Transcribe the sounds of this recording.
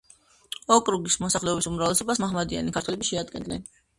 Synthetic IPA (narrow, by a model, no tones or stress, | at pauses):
ɔkʼɾuɡismɔsaχlɛɔbisumɾavlɛsɔbasmaɦmad̪ia̰nikʰaɾt̪ʰwɛlɛbiʃɛad̪̚ɡɛ̰nd̪nɛn